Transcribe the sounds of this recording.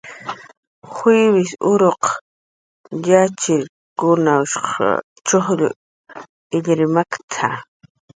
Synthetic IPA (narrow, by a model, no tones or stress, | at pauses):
χiwɪsʊɾoq | jat͡ʃɪɾ | kʊnaʊʃq | t͡ʃoχʎʊ̰ | ɪʎɾɪmakt̪ʰa